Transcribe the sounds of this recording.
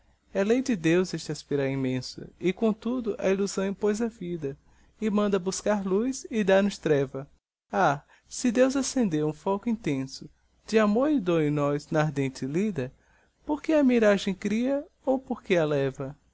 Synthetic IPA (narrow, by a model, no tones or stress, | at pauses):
ɛlejd͡ʒɪd̪ewzɛʃt͡ʃɪaspiɾawĩmẽsɐ̰ɪkõt̪ud̪ʊʔɐ̰iluzɐ̃w̃ɪ̃pojzɐvid̪ɐ | ɪmɐ̃nd̪ɐbuskaɾlujzɪd̪aɾnʊst̪ɾɛvɐ | a | sɪd̪ewzasẽnd̪eɾũfɔkʊĩnt̪ẽsʊ | d͡ʒɪamoɾɪd̪õĩnɔznɐːɾd̪ẽnt͡ʃɪlid̪ɐ | poɾkeɐmiɾaʒẽj̃kɾiɐ | owpoɾkeɐlɛvɐ